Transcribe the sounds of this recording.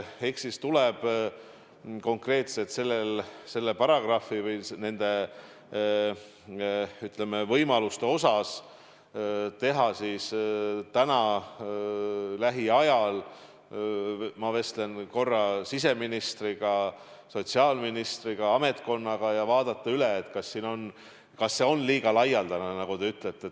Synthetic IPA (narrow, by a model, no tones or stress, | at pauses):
eksist̪uleb̥ | ko̞ŋkre̞ːt̪set̪se̞lːelse̞lːepɑɾɑɡ̥rɑfivɯjsne̞nd̪̥e̞ | yt̪le̞mevɤjmɑlust̪eo̞sɑs | t̪e̞ɦɑsist̪ænɑ | læɦiɑjɑl | mɑve̞st̪le̞nko̞rːɑsise̞minist̪riɡ̥ɑ | so̞t̪ʲsiɑlminist̪riɡ̥ɑɑme̞t̪ko̞nːɑɡ̥ɑjɑvɑːd̪ɑt̪ˑːɑyleːt̪ːˑkɑsːiːno̞n | kɑsːe̞o̞nliːɡ̥ɑlɑjɑld̪̥ɑnɑnɑɡ̥ut̪e̞yt̪ˑlet̪ːe